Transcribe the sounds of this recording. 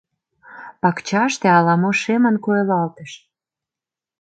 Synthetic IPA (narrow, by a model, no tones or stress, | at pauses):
pɑkt͡ɕɑʃt̪eɑlɑmoʃemə̆nkoelɑlt̪ə̆ʃ